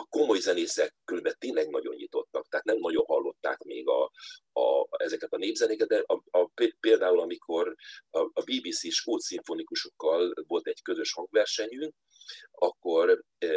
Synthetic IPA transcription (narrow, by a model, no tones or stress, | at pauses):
ɒko̞mo̞jzɛneːsɛkːylvɛt̪ːeːnlɛɡnɒ̰ɟo̞̰ɲjḭt̪o̞t̪ːɒkt̪ɛaɦːt̪nɛmnɒɟo̞nɦɒlːo̞t̪ːa̰ːkmḛːɡɒ̰ | ɛzɛkɛt̪ɒneːbzɛnekɛt̪̚d̪ɛʔɒppeːld̪aːulɒmikʰo̞rː | biːbiːsiʃkoːt̪siɱfonikuʃo̞kːɒlvo̞lt̪ɛɟkø̞zø̞ʃhɒŋɡvɛrʃɛɲyŋk̚ | ɒkːo̞r